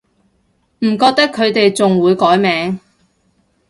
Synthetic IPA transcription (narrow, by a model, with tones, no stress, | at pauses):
m̩˨˩kɔː˧k̚t̪ɐ˥kʰːɵ˨˧ɥt̪e˨jt͡sʊ˨ŋwuː˨˧jkɔː˨˥jmɛː˨˧˥ŋ